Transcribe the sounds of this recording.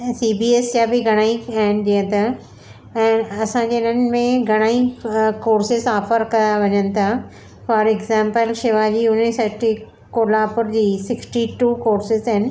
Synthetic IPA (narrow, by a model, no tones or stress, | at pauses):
siːbiːesd͡ʑabɪɡʱɐɽ̃aːiaɦɪn̆ɗijə̃t̪ʰa | ɛːɐsãɲd͡ʑeːnən̆mẽɡʱɐɽ̃aːikoːɾsɪzɔːfəɾkɐ̃d̪aʋɐɲənɪ̆t̪ʰa | fɔːɾɛɡzɛ̃ːmpəlʃɪʋad͡ʑiːʊnisɐʈi | koːlaːpʊɾd͡ʑiːsɪksʈiʈuːkoːɾsɪzaɦɪnɪ̆